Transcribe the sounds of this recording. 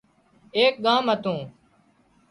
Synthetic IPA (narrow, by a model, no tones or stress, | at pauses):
eːk̚ɠaːmɦət̪ũː